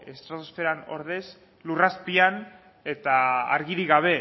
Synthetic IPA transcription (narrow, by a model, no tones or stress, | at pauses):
e̞st̪ɾat̪osfe̞ɾano̞̰ɾð̞e̞s | luraspian | e̞t̪aa̰ɾɣiɾiɣaβ̞e̞